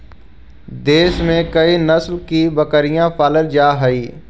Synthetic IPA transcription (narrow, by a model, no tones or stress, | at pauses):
d̪eːʃmẽkɐinɐslkibɐkəɾijãpaːləld͡ʒaːɦɐiː